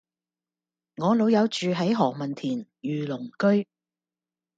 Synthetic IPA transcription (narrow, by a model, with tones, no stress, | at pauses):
ŋɔː˨˧lo˨˧wjɐ˨˧wt͡ʃyː˨ɦɐ˨˥jɦɔː˨k̚mɐ˨˩nt̪ʰiː˨˩njyː˨lʊ˨˩ŋkɵ˥ɥ